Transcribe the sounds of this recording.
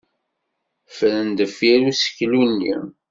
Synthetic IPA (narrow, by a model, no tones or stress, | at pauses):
fəɾənd̪əfiɾusə̥çlunːḭ